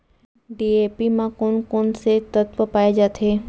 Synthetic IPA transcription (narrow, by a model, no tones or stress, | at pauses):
ɖiepimãkonkonset̪ət̪ʋəpajd͡ʒat̪ʰe